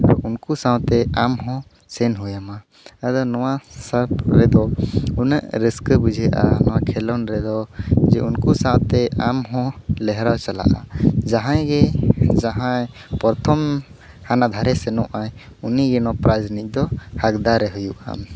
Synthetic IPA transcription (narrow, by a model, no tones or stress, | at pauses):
aɾunkusãwt̪ɛamɦɔ̃ | sɛnɦujama | ad̪ɔnɔwasəɾpɾɛd̪ɔunəʔɾəskəbud͡ʒʱɛʔa̰nɔwaʔkʰɛlɔnɾɛd̪ɔd͡ʒɛʔunkusãwt̪ɛʔamɦɔ̃lɛɦɾawt͡ʃala̰ʔad͡ʒaɦãjɡɛd͡ʒaɦãj | pɔɾt̪ʰɔm | hanad̪ʱaɾɛsɛnɔʔaj | uniɡɛnɔpɾad͡ʒnic̚ˀd̪ɔhakd̪aɾɛɦujuʔa̰m